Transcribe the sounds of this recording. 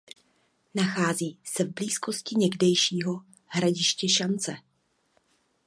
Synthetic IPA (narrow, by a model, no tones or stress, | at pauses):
naxaːziːsɛvbliːsko̞scɪɲɛɡdɛjʃiːɦo̞ | ɦɾaɟɪʃcɛʃant͡sɛ